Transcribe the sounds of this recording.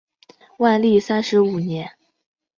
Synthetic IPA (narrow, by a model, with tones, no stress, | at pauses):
wa˥˧nli˥˩sa˥nʂɻ̩˧˥u˨˩njɛ˧˥n